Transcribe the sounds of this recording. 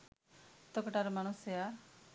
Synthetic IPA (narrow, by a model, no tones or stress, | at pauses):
t̪ɔkɔʈaɾɔmaɽ̃usea